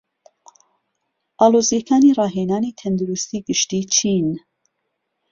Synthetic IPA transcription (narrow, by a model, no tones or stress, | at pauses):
ʔaːloːzijɛkʰaːnirɑːɦeːnaːnit̪ʰɛnd̪uɾust̪iːɡɨʃt̪iːt͡ʃʰin